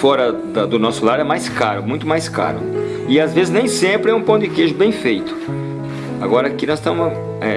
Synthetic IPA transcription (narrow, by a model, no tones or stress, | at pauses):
fɔɾɐ | d̪ɐd̪ʊnɔsʊlaɾɛmajskaɾʊmũj̃t̪ʊmajska̰ɾʊ̰ | ɪazvezɪznẽj̃sẽmpɾɪɛũpõd͡ʒ̪ɪkeʒʊbẽj̃fejt̪ʊ̥ | aɡɔɾɐakinɔst̪ẽm | ɛ